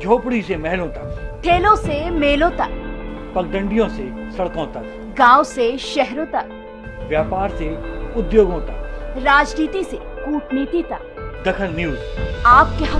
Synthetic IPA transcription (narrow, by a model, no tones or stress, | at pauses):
d͡ʒʱoːpɽisemɛɦlõt̪ɐkʈʰeːlõsemeːlõt̪ɐkpɐɡ̚ɡ̪ə̃ɳɖijõse | sɐɽkõt̪ɐ | ɡãːwseʃɛɦɾõt̪ɐk | ʋjaːpaːɾseʊd̪joːɡɦõːt̪aɾaːd͡ʒniːt̪ise | kuːʈniːt̪it̪ɐk | d̪ɐkʰəlniuaːpkeɦ